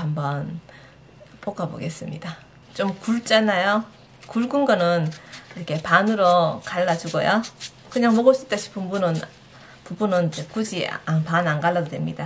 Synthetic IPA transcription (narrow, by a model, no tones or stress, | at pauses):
hambʌn | pʰoɡabo̰ɡe̞s͈ɯmɲida | t͡ɕomkuɭt͡ɕ͈anajo | kuɭɡunɡʌnɯniɾʌkʰe̞panɯɾokaɭːad͡ʑuɡojo | kɯɲaŋmʌɡɯɭs͈it͈ʌɕʰi̥pʰɯmbunɯn | pubunɯnd͡ʑekud͡ʑḭapananɡaɭːadodwe̞mɲida